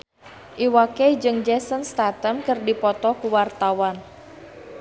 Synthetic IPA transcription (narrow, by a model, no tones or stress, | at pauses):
ʔiwaked͡ʒɨŋd͡ʒɛsənst̪at̪əmkɨrdipɔt̪ɔkuwart̪awan